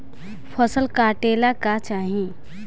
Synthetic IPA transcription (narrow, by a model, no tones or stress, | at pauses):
pʰəsəlkaːʈeːlakat͡ʃaːɦĩ